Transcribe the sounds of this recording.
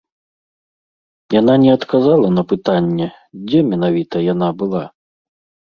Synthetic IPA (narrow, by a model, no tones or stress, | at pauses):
jananʲɛɐt̪kazalˠɐn̪ɐpɨt̪anʲːɛ | d͡zʲɛmʲɛnavʲit̪ɐjan̪abɨlˠa